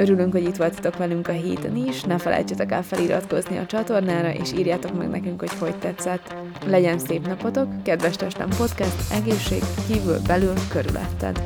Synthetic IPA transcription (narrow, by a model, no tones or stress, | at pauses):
øɾylyŋkho̞ɟit̪ʋo̞lt̪ɒ̥t̪o̞kʋɛlyŋkɒɦḛːt̪øniʃnɛfɛlʔɛ̰jt͡ʃːɛt̪ɛkɛ̰lfɛlʔiɾɒ̰t̪ko̞zniɒ̰t͡ʃɒt̪o̞rnaːɾɒʔḛːʃiːɾjaːt̪o̞kmɛ̰ɡnɛ̰kyŋkho̞cho̞ɟt̪ːɛt̪sːɛt̪ | lɛɟɛnseːpnɒpot̪o̞kːɛd̪ʋɛʃt̪ɛʃt̪ɛ̰mpo̞t̪kɛst̪ɛɡeːʃːḛːɡkiːvy̰lbɛlylkø̞ɾy̰lʔɛ̰t̪ːɛ̰d̪